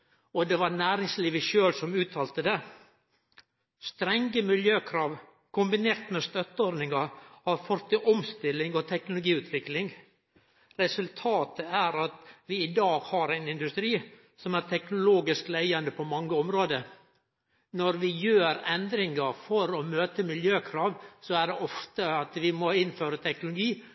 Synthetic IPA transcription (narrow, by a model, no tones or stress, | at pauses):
ɔd̪ɛʋɑɾnæːɾɪŋsliːʋəʃøːlsɔmʉːt̪ʰɑːlt̪əd̪ɛ | st̪ɾɛŋɡəmɪljøːkʰɾɑːʋ | kʰʊmbɪneːɾt̪mɛst̪œt̪ːəɔɾnɪŋɑɾɑʋfɔɾt̪ɪʔɔmst̪ɪlːɪŋɔt̪ʰɛknʊlʊɡiːʉːt̪ʰʋɪklɪŋ | ɾɛsʉlt̪ʰɑːt̪əæɾɑt̪ʋɪːd̪ɑːɡhɑɾæɪnɪnd̪ʉst̪ɾiː | sɔmæɾt̪ʰɛknʊloːɡɪsklæɪɑnd̪əpʰɔmɑŋːəɔmɾoːd̪ə | nɔɾʋɪjøːɾɛnd̪ɾɪŋɑɾfɔɾɔmøːt̪əmɪljøːkʰɾɑːʋsɔæɖɛʔɔft̪əɑt̪ʋɪmɔɪnføːɾət̪ʰɛknʊlʊɡiː